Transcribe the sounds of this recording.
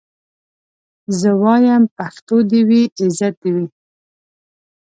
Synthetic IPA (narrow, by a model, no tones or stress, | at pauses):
zəwɑjampaxt̪od̪iwiʔɪzat̪̚d̪iwi